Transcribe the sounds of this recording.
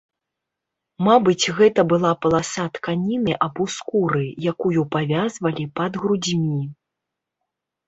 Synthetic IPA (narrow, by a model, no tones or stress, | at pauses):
mabɨt͡sʲɣɛt̪ɐbɨlˠapɐlˠasat̪kanʲinɨʔɐbuskuɾɨjakujupavʲazvɐlʲipɐd̪ɣɾud͡zʲmʲi